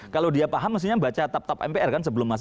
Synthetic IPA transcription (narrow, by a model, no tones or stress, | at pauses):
kalodiapaɦamːas̬iɲabat͡ʃat̪ap̚t̪ɔp̚ɛ̰mpeʔɛrkansəbəlʊmːas